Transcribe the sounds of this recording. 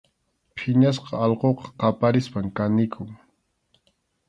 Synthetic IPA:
pʰɪɲas̬qɑɑlqoqɑ̥qɑpaɾɪspaŋkanɪkʰʊŋ

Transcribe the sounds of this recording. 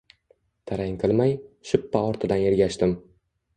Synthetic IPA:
t̪ʰaɾaŋqʰɨlˠmajʃʊpːaɒɾt̪ʰɪd̪anjeɾɡʲaʃt̪ɪm

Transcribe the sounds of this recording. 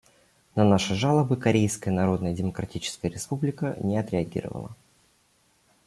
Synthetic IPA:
nɐnaʂɨʐalˠəbɨkɐɾʲejskəjənɐɾo̞d̪nəjədʲɪməkɾɐtʲit͡ɕɪ̥skəjəɾʲɪspublʲɪkənʲɪɐt̪ɾʲɪɐɡʲḭɾə̰və̰lˠə̰

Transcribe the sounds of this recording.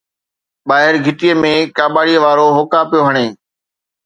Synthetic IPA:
ɓaːɦɪɾɡʱɪʈiemẽkaːɓaːɽiːʋaːɾoɦokaːpijoːɦəɽ̃eː

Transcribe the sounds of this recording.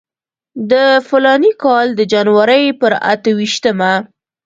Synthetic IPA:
d̪əfʊlɑnikɑld̪əd͡ʒanwaɾəjpəɾa̰t̪əwiʃt̪əma

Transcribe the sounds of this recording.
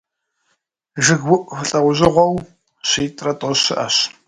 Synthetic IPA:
ʒɨɡwʊʔʼfɨɬʼɐwʊʑɪʁʷɔw | ɕiːtʼrɐtʼɔɕɨ̰ʔɐ̰ɕ

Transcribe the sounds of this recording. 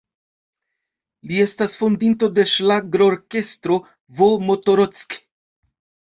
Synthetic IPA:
lie̞stasfondinto̞de̞ʃlaɡɾooɾke̞stɾo̞ | vomo̞to̞ɾot͡sk

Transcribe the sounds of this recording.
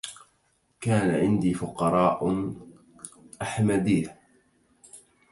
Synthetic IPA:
kaːnaʕɪnd̪iːfʊqɑɾˤɑːʔ | ʔaħmad̪iːh

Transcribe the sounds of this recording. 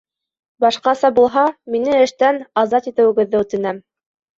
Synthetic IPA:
bɑʃqɑsɑbulˠɦɑminɘɘ̆ʃt̪ænɑzɑt̪it̪ɘ̆wɘ̆ɡɘ̆ðːɘʉt̪ɘ̆næm

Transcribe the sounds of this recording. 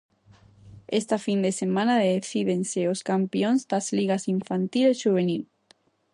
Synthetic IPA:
est̪afind̪esemãnaðeθiðenseoskampjonzd̪azliɣasiɱfant̪ilesʃuβ̞enil

